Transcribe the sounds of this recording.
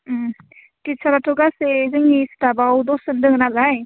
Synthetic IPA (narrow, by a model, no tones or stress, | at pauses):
tisaɾatɔɡasezɯŋistabawd̪ɔsɯndɯŋnalaj